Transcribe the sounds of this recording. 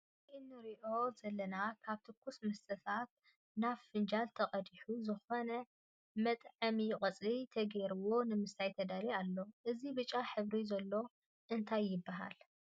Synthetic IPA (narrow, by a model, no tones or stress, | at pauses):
ʔɨnːɨɾiʔo̞zɐlːɐnakʰaβt̪ʰɨkːusmɐsɐfat̪̚ | naffɨnd͡ʒalt̪ʰɐqʼɐd̪iħuzɨxo̞nɐ | mɐt̪ʼʕɨmikʼɐt͡sʼlit̪ʰɐɡeɾɨwo̞nɨmɨsajt̪ʰɐd̪alialːo̞ʔɨzibɨt͡ʃʼːaħɨβɾizɐlːo̞ | ʔɨnt̪ʰajːɪbːaɦa̰l